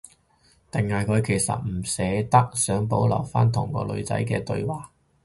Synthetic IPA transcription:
t̪ɪ˨ŋhaː˨jkʰɵ˨˧ɥkʰe˨˩jsɐ̰˨t̚m̩˨˩sɛː˨˧t̪ɐ˥k̚sœː˨˥ŋpo˨˥wlɐ˨˩wfa̰ː˥nt̪ʰʊ˨˩ŋkɔ̰ː˧lɵ̰˨˧ɥt͡sɐ̰˨˥jkɛ̰ː˧t̪ɵ̰˧ɥwaː˨˩k̚

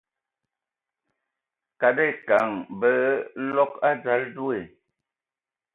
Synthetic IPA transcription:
ka˨de˦˨ka˨ŋbə˦lɔ˦ka˦d͡za˨˦ldu˦e˨

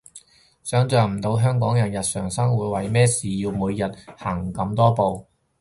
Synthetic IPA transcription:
sœː˨˥ŋt͡sœː˨˩ŋm̩˨˩t̪o˨˧wɦœː˥ŋkɔː˨˥ŋjɐ˨˩njɐ˨t̚sœː˨˩ŋsɐ˥ŋwuː˨˧jwɐ˨jmɛː˥siː˨jiː˧wmuː˨˧jjɐ˨t̚haː˨˩ŋkɐ˨˧˥mt̪ɔː˥po˨˧w

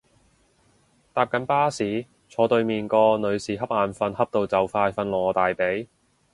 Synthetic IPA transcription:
t̪aː˧p̚kɐ˨˥npaː˥siː˨˥ | t͡sʰɔː˨˧˥t̪ɵ˧ɥmiː˨nkɔː˧nɵ˨˧ɥsiː˨ɦɐ˥p̚ʔaː˨nfɐ˧nhɐ˥p̚t̪o˧wt͡sɐ˨˥wfaː˧jfɐ˧nlɔː˨˩t̪aː˨jpe˨˥j

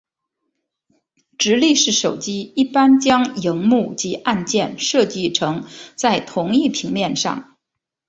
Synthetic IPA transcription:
ʈ͡ʂɻ̩˧˥li˥˧ʂɻ̩˥˩ʂo˨˩ʊt͡ɕi˥i˥˩pa˥nt͡ɕjɑ˥ŋji˧˥ŋmu˥˩t͡ɕi˧˥ʔa˥˧nt͡ɕjɛ˥˧nʂɤ˥˧t͡ɕi˥˩ʈ͡ʂʰɤ˧˥ŋt͡sa˥˩ɪt̪ʰʊ˧˥ŋi˥˩pʰi˧˥ŋmjɛ˥˧nʂɑ̰˥˩ŋ

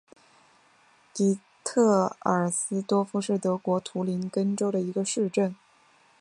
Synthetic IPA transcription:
t̪i˧˥ | t̪ʰɤ˥˩ə˞˨˩sɹ̩˥t̪wɔ˥fu˥ʂɻ̩˥˩t̪ɤ˧˥kwɔ˧˥t̪ʰu˧˥li˧˥nkə˥nʈ͡ʂo˥ʊɾə˨i˧˥ɡə˧ʂɻ̩˥˧ʈ͡ʂə˥˩n

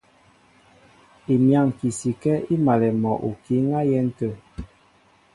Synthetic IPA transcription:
i˨mja˦˨ŋ˨ki˨si˨kɛ˦i˦ma˨lɛ˨mɔ˨ʔu˨ki˦ŋa˦jɛ˦n̩˦tə˦˨

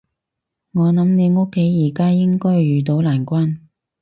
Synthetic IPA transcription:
ŋɔː˨˧nɐ˨˧˥mne˨˧jŋʊ˥kʰːe˨˥jːiː˨˩kaː˥jɪ˥ŋkɔː˥jɥyː˨t̪o˨˥wlaː˨˩nkʷaː˥n

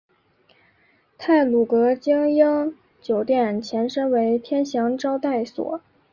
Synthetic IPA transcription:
t̪ʰa˥˩ɪlu˨˩kɤ˧˥t͡ɕjɑ˥ŋjɑ˥ŋ | t͡ɕjo˨˩ʊt̪jɛ˥˩nt͡ɕʰjɛ˧˥nʂə˥nwe˧˥ɪt̪ʰjɛ˥nɕjɑ˧˥ŋʈ͡ʂɑ˥ʊt̪a˥˩ɪswɔ̰˨˩˦

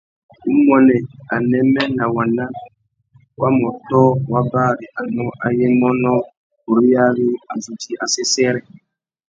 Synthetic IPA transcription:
u˦mɔ˨nɛ˨a˨nɛ˦mːɛ˦na˨wa˨nːa˦ | wa˦mɔ˨tɔ˦wa˦baː˦ɾi˨ʔa˨nɔ˦ʔa˨je˦mɔ˦nɔ˦ | u˨ɾi˦ja˦ɡi˦a˨zu˨ti˦ʔa˨sɛ˦sɛ˦ɾɛ˨

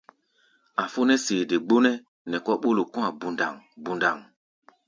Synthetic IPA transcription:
a˨fo˦nɛ˦se˨de˨ɡ͡bo˦nɛ˦ | nɛ˨kɔ˦ɓo˦lo˨kɔ̃˦a˨bu˦nda̰˨ŋbu˦nda˨ŋ

